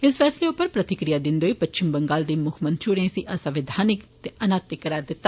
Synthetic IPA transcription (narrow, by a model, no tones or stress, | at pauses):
ɪsfʰɛːsleːʊpːəɾpɾət̪ɪkɾijaːd̪ɪnd̪eoiːpət͡ʃt͡ʃɪmbəŋɡaːld̪iːmʊkʰmə̃nt͡ʃʰuɽeẽsiːʔəsaʋɪd̪ʱaːnɪkt̪eːʔənaːt̪ɪkːəɾaːɾd̪ɪt̪ːaː